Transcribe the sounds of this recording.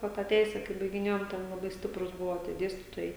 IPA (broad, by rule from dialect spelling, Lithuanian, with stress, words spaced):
ˈʋɐ tɑː ˈtʲɛɪsʲɛ kɐɪ bɐɪɡʲɪˈnʲeːjoːm ˈtʲɛn lˠɐˈbɐɪ ˈsʲtʲɪprʊs ˈbʊʋoː tʲiɛ ˈdʲeːsʲtʲiːtoːjɛɪ